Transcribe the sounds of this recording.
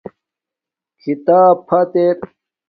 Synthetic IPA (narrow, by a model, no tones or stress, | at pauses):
kʰit̪aːpʰɐt̪eɾ